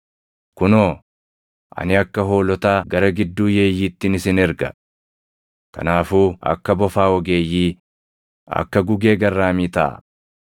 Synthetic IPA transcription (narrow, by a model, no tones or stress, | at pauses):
kʊnoː | ʔɐ̰nɪɐkːɐɦo̞ːlɔt̪aːɡɐɾɐɡɪd̪ːuːje̞ːjːiːt̪ːɪnɪsɪnɛɾɡɐ | kɐ̰naːfuːɐ̰kːɐbɔfaːɔɡe̞ːjːiː | ɐ̰kːɐɡʊɡe̞ːɡɐrːaːmiːt̪ɐ̰ː